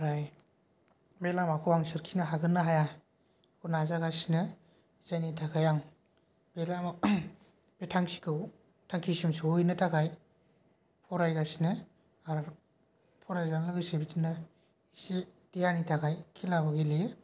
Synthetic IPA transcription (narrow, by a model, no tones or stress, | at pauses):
ɾaj | belamakʰuwaŋsɯɾkʰinɯɦaɡɯnːɯɦaja | kʰunazaɡasinɯ | zajnitʰakʰajaŋ | b̥elam | betʰaŋsi̥kʰɯw | tʰaŋkʰisimsɯujnɯtʰakaj | pʰɔɾajɡasinɯ | aɾ | pʰɔɾajzalɯɡɯsebitʰinɯ | ised̥ijanitʰakʰajkʰilabaɡile